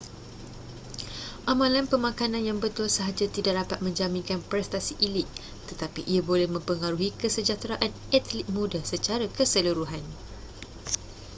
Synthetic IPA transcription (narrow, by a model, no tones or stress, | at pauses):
ʔamãlanpəmãkanãnjaŋbət̪ʊlsəɦad͡ʒat̪idaʔ̚dapat̪̚mə̃ɲd͡ʒamĩŋkanpɾɛst̪asiʔilɪt̪̚ | t̪ət̪apiʔiabolɛhmə̃mpəŋaɾuɦikəsəd͡ʒat̪ɾaʔan | ɛt̪lit̪̚mũdasət͡ʃaɾakəsəluɾuɦan